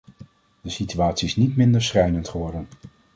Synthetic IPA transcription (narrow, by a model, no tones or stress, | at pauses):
d̥əsityaːtsiɪsnitmɪndəɹsχɛjnəntχəʋɔɹdən